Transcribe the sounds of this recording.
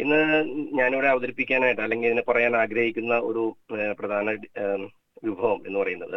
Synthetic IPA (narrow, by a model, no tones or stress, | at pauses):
inːɨɲaːnoːɽeɐʋɐðɐɾipːikʲːaːnaːjiʈːɨɐlːe̞ŋɡileðinepɐrɐjaːnaːɡɾɐhikʲːunːɐo̞ɾuprɐd̪ʱaːnɐ | ʋubʱɐʋɐme̞nːɨpɐrɐjunːɐðɨ